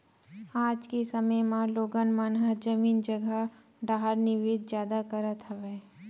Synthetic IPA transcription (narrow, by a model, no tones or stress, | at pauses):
aːd͡ʒkesɐməjmãloːɡənmaːnɦəd͡ʒɐmiːnd͡ʒɐɡə | ɖaːɦəɾnɪʋeːd̪d͡ʒjaːd̪akɐɾət̪ɦɐʋɛː